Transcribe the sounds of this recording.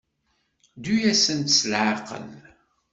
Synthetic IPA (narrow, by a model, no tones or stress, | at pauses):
d̪ujæsənt̪slʕaqə̰n